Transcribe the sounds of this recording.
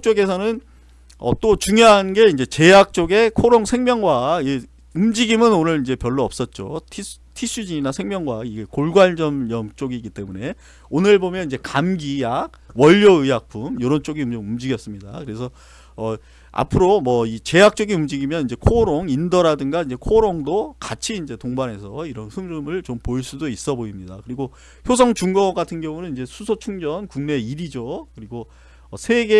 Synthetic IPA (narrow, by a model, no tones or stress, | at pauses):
k̚t͡ɕ͈oɡe̞sʰʌnɯn | ʌ̰t͈ot͡ɕuŋjoɦanɡe̞ind͡ʑe̞t͡ɕe̞jak̚t͡ɕ͈oɡe̞kʰoɾoŋsʰe̞ŋmjʌŋɡwaiɡe | umd͡ʑiɡimɯnonɯɾind͡ʑe̞pjʌɭːoʌp̚s͈ʌt̚t͡ɕ͈otʰi | tʰiɕ͈ʰud͡ʑiɲinasʰe̞ŋmjʌŋɡwaiɡekoɭɡwaɭd͡ʑʌmjʌmt͡ɕ͈oɡiɡit͈e̞mune̞ | onɯɭbomjʌniɲd͡ʑe̞kamɡijaɡ̚ | wʌʎːoɯjak̚p͈umjoɾʌnt͡ɕ͈oɡiumomumd͡ʑiɡjʌs͈ɯmɲidakɯɾe̞sʰʌ | ʌ | a̰pʰɯɾomwʌit͡ɕe̞jak̚t͡ɕ͈ʌɡiumd͡ʑiɡimjʌnind͡ʑe̞kʰoɾoŋindʌɾadɯŋɡaind͡ʑe̞kʰoɾoŋdokat͡ɕʰiːnd͡ʑe̞toŋbanɦe̞sʰʌiɾʌnhɯŋɾɯmɯɭt͡ɕompoiɭs͈udois͈ʌboimɲida̰kɯɾiɡo | çjos̬ʰʌŋt͡ɕuŋɡʌɡatʰɯnɡjʌŋunɯniɲd͡ʑe̞sʰusʰot͡ɕʰuŋd͡ʑʌnkuŋne̞iɾid͡ʑokɯɾiɡo | ʌsʰe̞ɡe